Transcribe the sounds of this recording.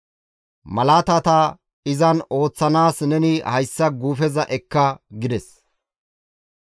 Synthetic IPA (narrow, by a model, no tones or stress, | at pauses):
mɐlaːt̪ɐt̪ɐ | ɪzɐno̞ːt͡sːɐnaːsnɛnɪhɐjsːɐɡuːfɛzɐʔɛkːɐɡɪd̪ɛs